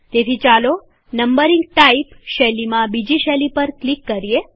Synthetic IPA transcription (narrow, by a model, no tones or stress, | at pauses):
t̪et̪ʰit͡ʃalo | nəmbəɾĩŋɡʈaipʃɛlimãbid͡ʒiʃɛlipəɾklikːəɾie